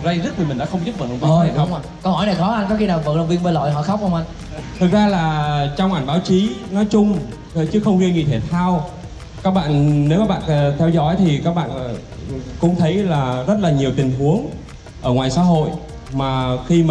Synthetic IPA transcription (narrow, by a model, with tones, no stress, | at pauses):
za˧jzt̪̚i˨˩mï˨˩ŋɗa̰ː˧˥xə˧wŋ͡mt̪i˦˥p̚və̰˧˩nə˧˩ɔ˨˧˦a˨˩xa˦˥wa˧kɔ˨˧whɔ˧˩jna˨˩jxɔ˨˦ʔa˧nkɔ˨˦xi˧naː˨˩və̰˧˨˩lə˨˩wvi˧nɓə˧nlɔ̰˧˨jɦɔ̰˧˨xa˦˥k͡p̚hə˧wŋ͡mʔa˧n | t̪ʰɨ˨˩k̚zaː˧laː˨˩t͡ɕɔ˧wŋ͡mʔa˧˩jŋ̟ɓaː˨˦wt͡ɕi˨˦nɔ˨˦jt͡ɕʊ˧ŋ͡m | ə˨˦t͡ɕɨ˨˦xə˧wŋ͡mhi˧ɲi˧˩t̪ʰe˧˩t̪ʰaː˧w | kaː˦˥k̚ɓa̰ː˧˨nne˨˦wkaː˦˥ɓ̰a̰ː˧˨˩t̪ʰɛ˧wzɔ̰˧˥jt̪ʰi˨˩kaː˦˥k̚ɓa̰ː˧˨n˨˩ | kʊ̰˧˥ŋ͡mt̪ʰə˨˦jlaː˨˩zə˦˥t̚laː˨˩ɲi˨˩əwt̪ï˨˩ŋ̟ɦu˨˦əŋ | ʔəː˧˩ŋwaː˨˩jsa̰ː˧˥ɦo̰˧˨j | maː˨˩xi˧m˨